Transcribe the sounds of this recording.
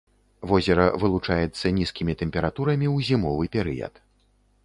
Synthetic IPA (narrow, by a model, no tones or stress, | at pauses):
vɔzʲɛɾɐvɨlˠut͡ʂajɛt̪sːɐnʲiskʲimʲit̪ɛmʲpʲɛɾat̪uɾɐmʲiwzʲimɔvɨpʲɛɾɨ̰jɐ̰t̪